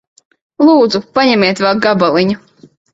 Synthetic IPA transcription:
lˠuːd̪zupaɲɛmʲiɛt̪vɛlˠɡabalˠiɲu

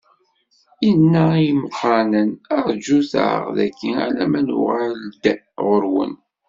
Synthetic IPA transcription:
inːæimqːɑnənəɾˤd͡ʒuθʕə̰ʁðæ̰kːiæ̰læmænṵʁæld̪ | ʁəɾwə̰n

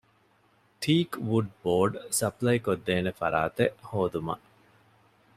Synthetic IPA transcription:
ʈʰiːkʋuɖboːɖsɐplɐjkod̪ːeːnefɐ̰ɾa̰ːt̪eʔhoːd̪umɐ̰ʔ

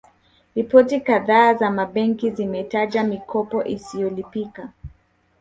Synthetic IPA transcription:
ɾipɔtikaðaːzamaɓɛŋkizimɛtaʄamikʰɔpɔʔisijɔlipika

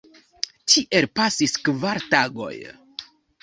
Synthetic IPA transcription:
t͡ʃiʔe̞lpasiskvaɾtaɡo̞̰j

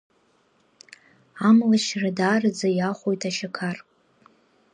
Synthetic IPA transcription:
amlaʃradaːrɨd͡zajaχʷojtʰaʃakʰar

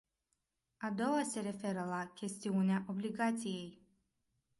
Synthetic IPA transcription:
ad̪ɔvasɛɾɛfɛɾalˠakʲʰɛst̪ʰiɔnʲaʔɔblʲiɡat̪sijɛj

